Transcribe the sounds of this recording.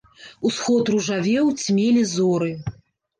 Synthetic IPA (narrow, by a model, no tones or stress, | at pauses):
usxɔt̪ruʐavʲɛwt͡sʲmʲelʲizɔɾɨ